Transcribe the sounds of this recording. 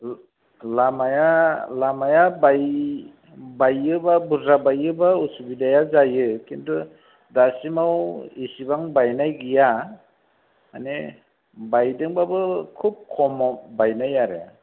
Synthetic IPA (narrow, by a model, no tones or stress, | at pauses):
lamajalamajabaj | bajːɯbabuɾabajɯbausubidajazajɯkintu | dasimawisibaŋbajnajɡija | a̰ne | bajdɯŋbabɯkʰup̚kʰɔmɔbajnajaɾɯ̰